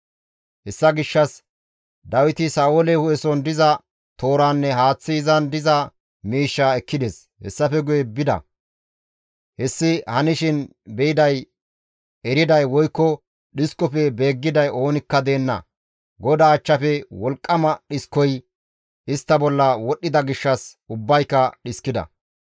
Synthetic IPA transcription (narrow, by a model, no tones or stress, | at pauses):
ʔɛsːɐɡɪʃːɐs | d̪ɐwɪt̪ɪsaːʔolɛhʊɛsɔnd̪ɪzɐ | t̪oːɾaːnːɛɦaːt͡sːiːzɐnd̪ɪzɐ | miːʃːaːɛkːɪd̪ɛs | hɛ̰sːɐfɛɡʊjɛbɪd̪ɐ̰ | hɛsːɪhɐnɪʃɪn | bɛjɪd̪ɐj | ɛɾɪd̪ɐjwɔjkːɔ | ɗɪskːɔpɛbe̞ːɡːɪd̪ɐjo̞ːnɪkːɐd̪e̞ːnːɐ̰ | ɡɔd̪aːt͡ʃːɐfɛwɔlkʼːɐmɐɗɪskːɔj | ɪst̪ːɐbɔlːɐwɔɗːɪd̪ɐɡɪʃːɐsʊbːɐjkːɐɗɪskːɪd̪ɐ̰